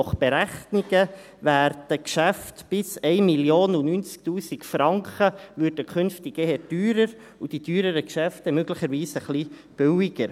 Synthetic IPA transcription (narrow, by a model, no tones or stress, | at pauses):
ɔχb̥eɾæχniɡə | væːɾd̥əkʃæftb̥ɪsɛɪmiljoːnunynt͡sk̚tuːsikfɾɑŋkχəʋʏːɾd̥əkʰʏnftiɡehɛd̥yːɾəɾ | ud̥idyːɾəɾəkʃæftɛmøɡləχəɾʋiːsəχlib̥ʏwiɡəɾ